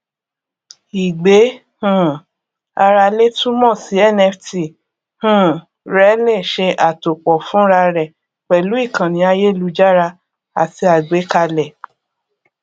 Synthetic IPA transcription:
i˨ɡ͡be˨˦ | hũ˦˨ | a˧ɾa˧le˦tũ˦mɔ̃˦˨si˨˦ɛ˦˨nɛ˧fti˨ | hũ˦˨ | ɾɛ˨˦le˦˨ʃe˧ʔa˨to˨k͡pɔ˨fũ˦ɾa˧ɾɛ˨ | k͡pɛ˨lu˨˦i˦˨kã˨nĩ˨˦a˧je˦˨lu˧˦d͡ʒa˦ɾa˧ | a̰˨ti˧a˨ɡ͡be˨˦ka˧lɛ˨

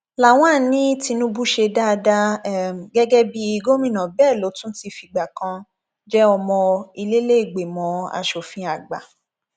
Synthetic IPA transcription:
la˨w̃ã˦˨nĩ˦ti˧nũ˦bu˦ʃe˧da˦˧da˧˨ɡɛ˦ɡɛ˦bi˦i˧ɡo˦mĩ˦˨nã˨bɛː˦˨lo˨˦tũ˦ti˧fi˧˨ɡ͡ba˨kã˧ | d͡ʒɛ˦ɔ˧mɔ̃˧i˧le˦le˦i˦˨ɡ͡be˨mɔ̃˨˦a̰˧ʃo˨fĩ˧a˨ɡ͡ba̰˨

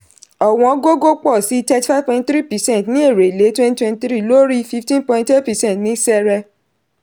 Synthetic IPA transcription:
ɔ˨w̃ɔ̃˧ɡo˦ɡo˦k͡pɔ˦˨si˨˦tɛ˧ti˨fa˦vpɔ̃˧ĩntθɾi˦pɛ˨sɛ̃˦˨tnĩ˦e˦˨ɾe˨le˨˦twɛ̃˦ni˦twɛ̃˧ni˦tɾi˦˨lo˦ɾi˦fi˦ftĩ˦npɔ̃˧ĩnte˦tpɛ˨sɛ̃˦n˨tnĩ˦sɛ˦ɾɛ˧

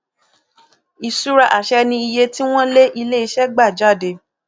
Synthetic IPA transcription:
i˨su˦ɾa˧˨ʔa˨ʃɛ˧nĩ˧i˧je˧ti˦w̃ɔ̃˦le˦ʔi˧le˦i˧ʃɛ˦ɡ͡ba˦˨d͡ʒa˦˨de˧˨

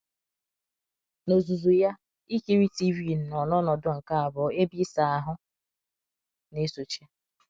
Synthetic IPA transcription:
no˨zu˨zu˨ja˦ | i˦ke˦ɾi˦ti˦vi˦˨n̩˨nɔ˨nɔ˦nɔ˨dʊ˦˨ŋ̩˨ka˦a˨bɔ˨e˦bi˦sa˨a˨ɦʊ˦ | ne˦so˨t͡ʃe˦

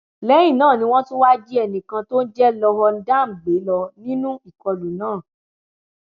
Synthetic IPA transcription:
lɛ˨˦jĩ˦˨nãː˦˨nĩ˧w̃ɔ̃˦tũ˦wa˦d͡ʒi˦ɛ˧˨nĩ˨kã˧to˦n̩˦d͡ʒɛ˦lɔ˧ɦɔ˧n̩˦da˦˨m̩˨ɡ͡be˨˦lɔ˧nĩ˦nũ˦i˦˨kɔ˧lu˨nãː˦˨

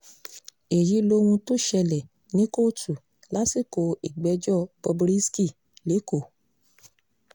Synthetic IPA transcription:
e˨ji˨˦lo˧wũ˧to˦ʃɛ˧lɛ˨ | nĩ˨˦ko˦˨tʰu˨ | la˨˦si˦˨ko˧i˨ɡ͡bɛ˨˦d͡ʒɔ˦˨bɔ˧bɾi˦ski˦˨ | le˨˦ko˦˨

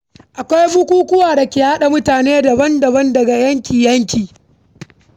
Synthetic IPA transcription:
ʔa˨kʷa˦jbʊ˦kʷuː˦kʷʊ˦waː˨da˨kʲe˨ha˦ɗa˨mʊ˦taː˨neː˦dɐ˨bɐ˦ndɐ˨bɐ˦ndɐ˨ɡa˨jɐ˦ŋkʲiː˨jɐ˦ŋkʲiː˨

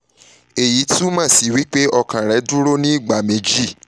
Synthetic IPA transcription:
e˨ji˨˦tũ˦mãː˦˨si˨wi˦k͡pe˦ʔɔ˧kã˨ɾɛ˨˦du˦ɾo˦nĩ˦i˦˨ɡ͡ba˨mẽ˧d͡ʒi˦˨

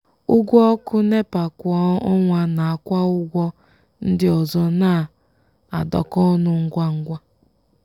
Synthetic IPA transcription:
ʊ˦ɡʷɔ˦ɔ˦kʊ˦ne˦pa˨kʷɔ˦ɔ˦ŋʷa˦na˨a˨kʷa˦ʊ˦ɡʷɔ˦ | n̩˦dɪ˦ɔ˨zɔ˦na˦˨ | a˨dɔ̰˨kɔ˦nʊ˦ŋ̩˦ɡʷa˦ŋ̩˦ɡʷa˦

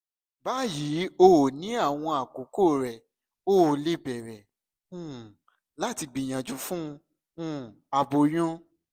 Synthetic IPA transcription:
ba˦ji˨˦o˧wo˨nĩ˨˦a˦˨w̃ɔ̃˧a˨ko˨˦ko˦˨ɾɛ˨ | o˦wo˨le˦bɛ˨ɾɛ˨ | ũ˦˨ | la˦ti˧ɡ͡bĩ˨j̃ã˨d͡ʒu˨˦fũ˦˧ | ũ˦˨a˧bo˧j̃ɔ̃˦

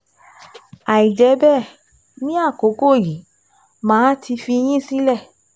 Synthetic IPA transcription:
a˨i˨d͡ʒɛ˨˦bɛ˦˨ | nĩ˦a˦˨ko˨˦ko˦˨ji˨˦ | mãː˨˦tʰi˧fi˧j̃ĩ˦˨si˦lɛ˦˨

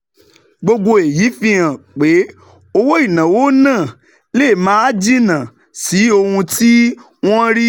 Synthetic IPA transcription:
ɡ͡bo˧ɡo˧e˨ji˨˦fĩ˧˦ã˨k͡pe˨˦ | o˧wo˦i˦˨nã˨wo˦nãː˦˨ | le˦˨mã˦a˦d͡ʒi˦nã˨ | si˨˦o˧hũ˧tʰi˦ | w̃ɔ̃˦ɾi˦

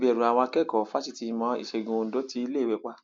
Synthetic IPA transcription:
bɛ˨ɾũ˨a˨w̃ɔ̃˧kɛ˦˨kɔ˨fa˦ti˦˧ti˧mɔ̃˧ḭ˨ʃe˧ɡõ˧n̩˨˦do˨˦ti˧i˧le˦˨wɛ˨k͡pa˧

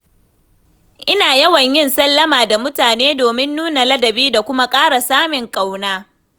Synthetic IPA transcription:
ʔɪ˦naː˨jɐ˦wɐ˨ɲjɪ˦nsɐ˦lːɐ˦maː˨da˨mʊ˦taː˨neː˦doː˨mɪ˦nːuː˦na˨lɐ˦dɐ˨biː˦da˨kʷʊ˦ma˦kʼaː˦ɽa˨saː˦mɪ˨ŋkʼa˦˨wnaː˦

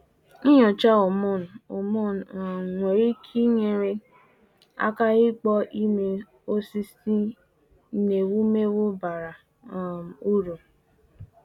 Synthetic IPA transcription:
i˦ɲɔ˨t͡ʃa˦o˨mɔ˦˨n˨o˨mɔ˦˨n˨ŋʷe˨ɾi˦kʰi˦ŋe˨ɾe˦ | a̰˦ka˦ɪ˦k͡pɔ˦ʔi˦me˦ | o˦si˦si˦ | ne˨wu˦me˦wo˦ba˨ɾa˨˦˨ | m˨u˦ɾo˨

